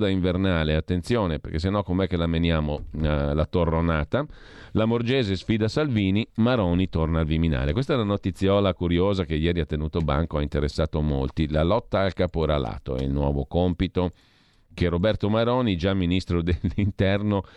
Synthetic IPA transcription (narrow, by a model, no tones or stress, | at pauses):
d̪aiɱvernaːleat̪ːent̪sjoːneperkes̬enːɔkomɛkːelamenjaːmolat̪orːonaːt̪a | lamord͡ʒeːzesfiːd̪asalviːnimaɾɔːnit̪ornaːlvimina̰ːlekwest̪aɛlanot̪it̪sːjɔːlakuɾjoːzakejɛːɾiat̪ːenuːt̪oba̰ŋkoaint̪eɾesːaːt̪omolt̪ilalɔt̪ːaːlkaːpoɛɾala̰ːt̪oɛ̰ḭlnwɔ̰ːvokompit̪o | kerobɛrt̪omaɾɔːnid͡ʒamːinist̪ɾod̪elːint̪ɛrno